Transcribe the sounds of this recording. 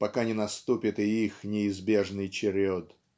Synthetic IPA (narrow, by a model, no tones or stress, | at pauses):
pɐkanʲɪnɐst̪upʲɪt̪ɪixnʲɪɪzbʲe̞ʐnɨjt͡ɕɪɾʲod̪